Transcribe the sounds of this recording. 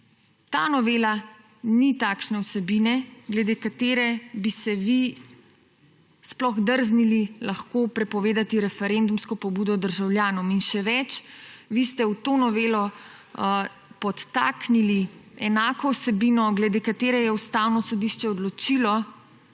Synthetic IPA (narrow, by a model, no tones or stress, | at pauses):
t̪aːnɔʋeːla | nit̪aːkʃnɛwsɛbinɛɡlɛd̪eːkat̪eːɾɛbisɛʋi | splɔɣd̪əɾznililaxkopɾɛpɔʋeːd̪at̪iɾɛfɛɾend̪umskɔpɔbuːd̪ɔd̪əɾʒawljaːnɔminʃɛʋɛt͡ʃʋist̪ɛuwt̪onɔʋeːlɔ | pɔt̪ːaːkniliɛnaːkɔwsɛbinɔɡlɛd̪eːkat̪eːɾɛjɛust̪aːwnɔsɔd̪iʃt͡ʃɛɔd̪lɔt͡ʃiːlɔ